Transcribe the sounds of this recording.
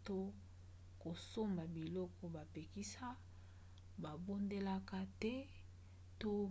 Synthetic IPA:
to˦ | ko˨so˦ma˨bi˨lɔ˦kɔ˦ba˨pe˨ki˦sa˦ | ba˨bo˦nde˦la˦ka˦tɛ˦ | to˦

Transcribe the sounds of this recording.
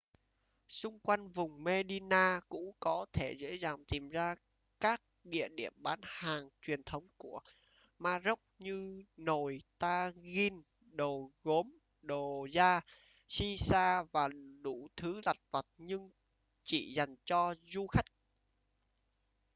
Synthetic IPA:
sʊ˧ŋ͡mkwa˧jŋ̟vʊ˨˩ŋ͡mme˧ɗi˧naː˧kʊ̰˧˥ŋ͡mkɔ˨˦t̪ʰe˧˩zḛ˧˥zaː˨˩ŋt̪i˨˩mzaː˧ | kaː˦˥k̚ɗḭ˧˨əɗi˧˩əmɓaː˨˦nhaː˨˩ŋt͡ɕwi˨˩ənt̪ʰə˨˦wŋ͡mku˧˩ə | maː˧zə˦˥k͡p̚ɲɨ˧no˨˩jt̪aː˧ɣi˧n | ɗo˨˩ɣo˨˦m | ɗo˨˩zaː˧ | si˧saː˧vaː˨˩ɗu˧˩t̪ʰɨ˨˦la˨˩jk̚və˨˩t̚ɲɨ˧ŋ | t͡ɕḭ˧˩za˨˩jŋ̟t͡ɕɔ˧zu˧xa˦˥jk̟̚

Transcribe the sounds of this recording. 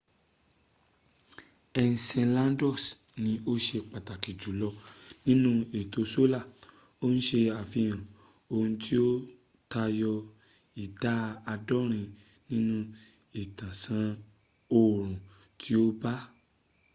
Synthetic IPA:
ɛ˧n˨sɛ̃˧lã˦dɔ˦˨s | nĩ˧o˦ʃe˧k͡pa˨ta˨ki˨d͡ʒu˨˦lɔ˧nĩ˦nũ˦e˨to˧so˦la˦˨ | o˦n̩˦ʃe˧a˨fĩ˧j̃ã˨ | o˧ũ˧tʰi˦o˦ | ta˧jɔ˧ | i˨da˨˦a˧dɔ˦ɾ̃ĩ˧ | nĩ˦nũ˧˦ | e˨tã˨sã˧ | o˦˨ɾ̃ũ˨ | tʰi˦o˦ba˦

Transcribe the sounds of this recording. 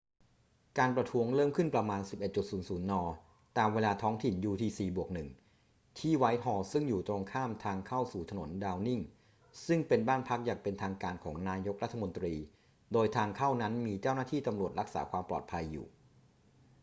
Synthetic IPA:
kaː˧npɾa˧t̪ʰu˦˥əŋɾɤː˥˩mkʰɯ˥˩npɾa˧maː˧nsi˨˩p̚ʔe˨˩t̪̚t͡ɕu˨˩t̪̚suː˩˦nsuː˩˦nːɔː˧ | t̪aː˧mweː˧laː˧t̪ʰɔː˦˥ŋt̪ʰi˨˩njuː˧t̪ʰiː˧siː˧˩bu˨˩ək̚nɯ˨˩ŋ | t̪ʰiː˥˩wa˦˥jɦɔː˧sɯ˥˩ŋjuː˨˩t̪ɾo˧ŋkʰaː˥˩mt̪ʰaː˧ŋkʰa˥˩wsuː˨˩t̪ʰa˧no̰˩˦ndaː˧wni˥˩ŋ | sɯ˥˩ŋpe˧nbaː˥˩npʰa˦˥k̚jaː˨˩ŋpe˧nt̪ʰaː˧ŋkaː˧nkʰɔː˩˦ŋnaː˧jo˦˥k̚ɾa˦˥t̪ʰːa˧mo˧nt̪ɾiː˧ | doː˧jt̪ʰaː˧ŋkʰa˥˩wna˦˥nmiː˧t͡ɕaː˥˩wnaː˥˩iː˥˩t̪a˧mɾu˨˩ət̪̚ɾa˦˥k̚sa̰ː˩˦kʰwaː˧mplɔ̰˨˩t̪̚pʰa˧jːṵː˨˩

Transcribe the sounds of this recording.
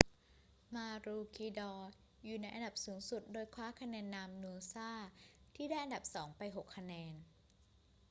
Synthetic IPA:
maː˧ɾuː˧kʰiː˧dɔː˧ | juː˨˩na˧jʔa˧nda˨˩p̚suː˩˦ŋsu˨˩t̪̚doː˧jkʰwaː˦˥kʰa˧nɛː˧nːaː˧mnu˧əsaː˥˩t̪ʰiː˥˩daː˥˩jʔa˧nda˨˩p̚sɔː˩˦ŋpa˧jɦo˨˩kʰːa˧nɛː˧n

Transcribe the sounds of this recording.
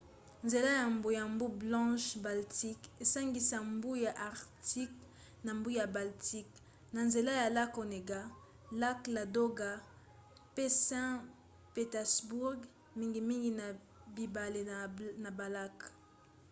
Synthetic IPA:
nze˨la˦ja˨mbo˨ja˨mbu˦blɑ̃˦ʃba˨lti˦ke˨sa˦ŋɡi˨sa˨mbu˦ja˨ʔa˨ʁti˦k | na˨mbu˦ja˨ba˨lti˦k | na˨nze˨la˦ja˨la˦ko˨ne˨ɡa˦ | la˦kla˨do˦ɡa˨ | pe˦sɛ̃˦ | pe˨tɛ˨sbu˦ʁɡ | mi˦ŋɡi˨mi˦ŋɡi˨na˨ | bi˨ba˨le˨na˨ba˨la˦k

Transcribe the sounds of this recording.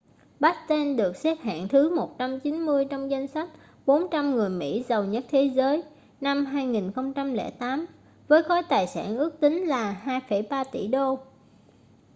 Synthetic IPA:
ɓa˦˥t̚t̪ɛ˧nɗɨ˨˩ək̚sɛ˦˥p̚ɦa̰ː˧˨nt̪ʰɨ˨˦mo˨˩t̚t͡ɕa˧mt͡ɕi˨˦nmɨ˧əjt͡ɕɔ˧wŋ͡mza˧jŋ̟sa˦˥jk̟̚ | ɓo˨˦nt͡ɕa˧mŋɨ˨˩əjmḭ˧˥zə˨˩wɲə˦˥t̚t̪ʰe˨˦zəː˨˦j | na˧mɦaː˧jŋi˨˩nxə˧wŋ͡mt͡ɕa˧mlɛ̰˧˩t̪aː˨˦m | vəː˨˦jxɔ˨˦jt̪aː˨˩jsa̰ː˧˩nʔɨ˦˥ək̚t̪ï˨˦ŋ̟laː˨˩haː˧jfə˧˩jɓaː˧t̪ḭ˧˩ɗo˧

